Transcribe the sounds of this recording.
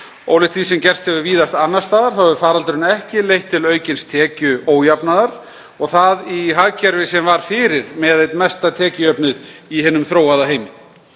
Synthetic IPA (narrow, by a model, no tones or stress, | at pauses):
o̰wlɪht̪fisɛmcɛr̥st̪hɛvʏɾviːðast̪anːast̪aːðaɾ̥θawɛvʏɾfaːɾalt̪ʏɾʏnaɛhcɪlejht̪ʰːɪlœːɥcɪnst̪ʰɛːcʏoːwjapnaðaɾ̥ | ɔɣθaðiɦaɣcɛɾvɪsɛmvaɾ̥fɪːɾɪɾmɛðejt̪mɛst̪at̪ʰɛːcɪœpnʏðihɛːnʏmθɾoːwaðaɦejmɪ